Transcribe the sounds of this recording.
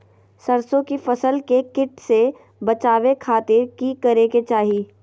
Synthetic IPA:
sɐɾsõkifɐsəlkekɪʈse | bɐt͡ʃaːʋekʰaːt̪ɪɾkikɐɾeket͡ʃaːɦiː

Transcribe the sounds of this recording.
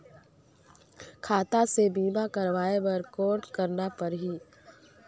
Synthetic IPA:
kʰaːt̪asebiːmakɐɾʋaːebəɾkoːɾɖkɐɾnapɐɾɦiː

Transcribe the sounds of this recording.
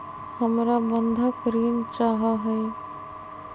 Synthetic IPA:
həmɾabə̃nd̪ʱakəɾiːnt͡ʃaːɦaɦɛː

